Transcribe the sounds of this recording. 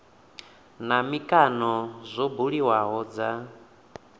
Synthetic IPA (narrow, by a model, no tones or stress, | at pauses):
namikʼanɔzʷɔbuɺiwaɦɔd͡za